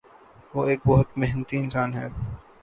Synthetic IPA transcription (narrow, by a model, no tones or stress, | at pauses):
ʋoːeːk̚bɔɦʊt̪meɦnət̪iɪnsaːnɦɛː